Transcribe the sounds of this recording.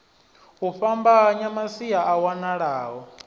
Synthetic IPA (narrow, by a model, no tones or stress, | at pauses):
ɦuɸambaɲamasiaʔawanaɺaːɦɔ